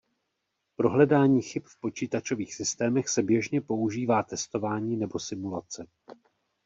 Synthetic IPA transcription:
pɾo̞ɦlɛdaːɲiːxɪpfpo̞t͡ʃiːt̪at͡ʃo̞viːxsɪst̪ɛːmɛxsɛbjɛʒɲɛpo̞uʒiːvaːt̪ɛst̪o̞vaːɲiːnɛbo̞sɪmulat͡sɛ

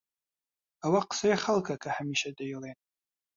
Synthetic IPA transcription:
awaqə̥sajeχalˠkʰakʰɐhamiːʃɐd̪ajlen

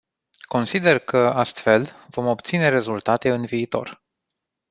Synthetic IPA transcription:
ko̞nsid̪e̞rkəast̪fe̞lv̥o̞mo̞pt̪sine̞ɾe̞zult̪at̪e̞ɨnviːt̪o̞̰r

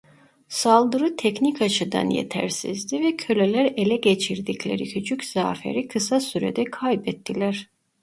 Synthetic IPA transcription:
salˠd̪ɯɾɯt̪ʰɛcnicat͡ʃʰɯd̪a̰njḛt̪ʰæ̰ɾsḭzd̪ivɛcʰølʲelʲæɾe̞lʲɛɟet͡ʃʰiɾd̪iclʲeɾicʰyt͡ʃʰycz̥a̰ːfḛɾikʰɯsasyɾɛ̰d̪ɛkʰajbɛt̪ʰːilʲæɾ̥

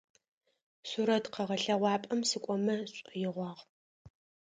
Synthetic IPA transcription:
suɾɐtqɐʁɐɬɐʁʷɑːpʼɐmsɨkʷʼɔmɐɕʼjɪʁʷɑːʁ

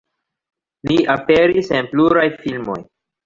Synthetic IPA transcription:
liape̞ɾisenpluɾajfilmo̞̰j

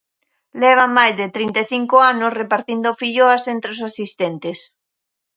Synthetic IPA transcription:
lɛβ̞amajzðɪt̪ɾint̪eθiŋkoanʊsrepaɾt̪ind̪ofiʎoasent̪ɾeosasist̪ent̪es

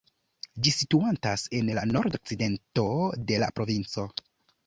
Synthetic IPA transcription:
d͡ʒisituantase̞nlano̞ɾdo̞k̚t͡side̞nto̞de̞la̰pɾo̞vint͡so̞

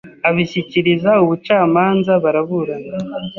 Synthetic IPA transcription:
aβiçiciɾizauβut͡ʃaːmaːnzaβaɾaβuɾana

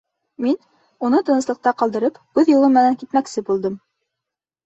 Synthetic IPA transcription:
min | unɤt̪ɤ̆nɤ̆slˠɤ̆q̚t̪ɑqɑlˠd̪ɤ̆ɾɤpkʉðjulˠɤmːɘ̆næŋkit̪mæksɘbulˠd̪ɤm

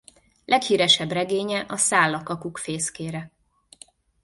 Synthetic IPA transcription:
lʔɛkhiːɾɛʃɛbrɛɡeːɲɛʔɒsaːlːɒkɒkukfeːskeːɾɛ

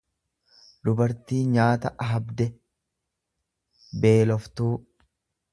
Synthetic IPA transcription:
d̪ʊbɐɾt̪iːɲaːt̪ɐʔɐɦɐbd̪ɛ | be̞ːlɔft̪uː

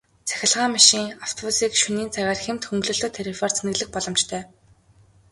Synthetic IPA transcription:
t͡sʰæ̥xʲɪ̆ɮʁaːmaʃiːŋaw̥t̪ʰɔpusiːkʃuniːnt͡sʰæɣaːrxem̥t̪xɵŋɡɮoːɮt̪oːt̪ʰeɾifɔr̥t͡sʰenɡɘ̆ɮɘ̆x̚pɔɮɞ̆mt͡ɕt̪ʰœː

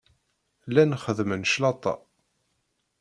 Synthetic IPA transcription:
lænχəðmənʃlɑt̪ˤːɑ̰

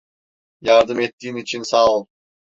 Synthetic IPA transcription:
jaɾd̪ɯmet̪ːiːnit͡ʃʰinsaːulˠ

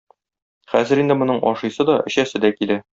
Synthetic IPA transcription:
χæzɘ̆ɾind̪ɘmŏnɤɴʔɒ̰ʃɤ̆jsɤd̪ɒʔɘ̆ɕæsɘd̪ækilæ

